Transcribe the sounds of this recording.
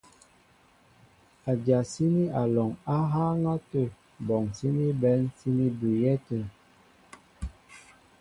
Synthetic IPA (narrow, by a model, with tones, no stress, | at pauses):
a˨d͡ʒa˨si˦ni˦a˨lɔ˨ŋa˦ɦa˦ŋa˦tə˦˨ | bɔ˨ŋsi˦ni˦bɛ˨˦nsi˦ni˦bʉ˨jɛ˦tə˦˨